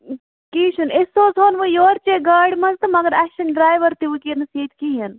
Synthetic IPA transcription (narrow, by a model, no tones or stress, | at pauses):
kiːʃʰunesoːzɦoːnʋujoːɾt͡ʃeːɡaːɖmɐnzt̪ɐmɐɡɐɾaʃɐnɖɾaːjʋɐɾt̪iʋukiːnɐsiːd̪kiːɦɐn